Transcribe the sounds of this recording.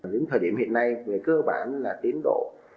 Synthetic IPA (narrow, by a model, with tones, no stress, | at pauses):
zʊ̰˨˦ŋt̪ʰəː˨˩jɗḭ˧˩əmhḭ˧˨ənːa˧jŋɨ˨˩əjkəː˧ɓaː˧˩nlaː˨˩t̪i˨˦ənɗo̰˧˨